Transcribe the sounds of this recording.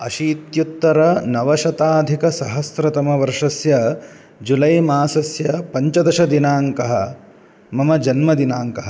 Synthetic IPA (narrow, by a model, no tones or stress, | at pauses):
ɐʃiːt̪jut̪ːɐɾɐnɐʋɐʃɐt̪aːd̪ʱikɐsɐɦɐsɾɐt̪ɐmɐʋɐɾʂɐsjɐ | d͡ʒulɐjmaːsɐsjɐpɐɲt͡ʃɐd̪ɐʃɐd̪inaːŋkɐɦɐ | mɐmɐd͡ʒɐnmɐd̪inaːŋkɐɦɐ